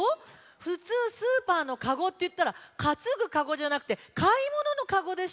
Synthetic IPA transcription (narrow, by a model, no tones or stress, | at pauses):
ɸɯ̟t͡sɨːsɨːpaːno̞kaɡo̞t̪ːe̞jɯ̟t̪ːaɾakat͡sɨɡɯ̟kaɡo̞ʑanakɯ̟t̪e̞kʰaimo̞no̞no̞kaɡo̞d̪e̞s